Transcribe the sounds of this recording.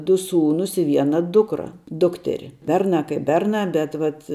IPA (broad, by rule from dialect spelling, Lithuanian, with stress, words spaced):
dʊ ˈsuːnuːs ɪ ˈʋʲiɛnɐ ˈdʊkrɐ ˈdʊktʲɛrʲɪ ˈbʲɛrnɑː kɐɪp ˈbʲɛrnɑː ˈbʲɛt ʋɐt